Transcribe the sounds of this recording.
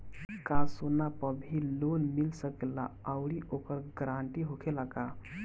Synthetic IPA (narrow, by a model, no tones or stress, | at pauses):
kasonapəbʱilonmilsəkelaəwɽiʔokəɾɡɾaɳʈiɦokʰelaka